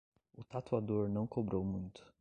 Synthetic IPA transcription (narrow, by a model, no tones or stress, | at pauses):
ʊt̪at̪uad̪oɾnɐ̃w̃kobɾowmũj̃t̪ʊ̥